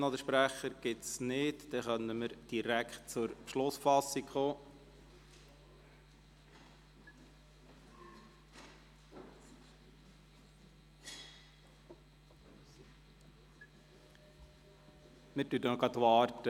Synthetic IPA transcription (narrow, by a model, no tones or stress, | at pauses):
nɔd̪əʃpɾæχəɾɡ̥ɪt̪snɪtd̥̪ɛχœnəməɾd̥iɾækχt̚t͡sʊɾʃlʊsfɑsikχoː | mɪɾtyːtənɔɡɑt̪ʋɑːɾtə